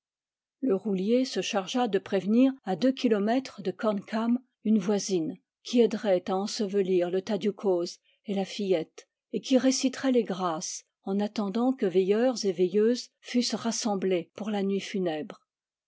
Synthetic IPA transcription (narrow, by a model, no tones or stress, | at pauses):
ləʁuljesəʃaʁʒad̪əpχevniʁad̪økʲʰilɔmɛt̪χd̪əkɔnkʰam | ynvwazin | kʲʰiɛd̪ʁɛt̪aɑ̃səvəliʁlət̪ad̪ykʰoz | elafijɛt̪ | ekʲiʁesit̪χɛleɡʁas | ɑ̃nat̪ɑ̃d̪ɑ̃kəvejœʁzevejøːzfysʁasɑ̃blepuʁlanɥifynɛbʁ